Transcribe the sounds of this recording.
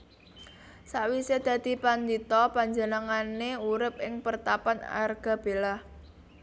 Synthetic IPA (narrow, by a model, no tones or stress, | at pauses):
saʔwised̪̥ä̤d̪̥i̤pand̪it̪ɔpaɲd͡ʒənəŋaneuɾɪp̚ɪŋpərt̪apana̰rɡ̥a̤b̥e̤lah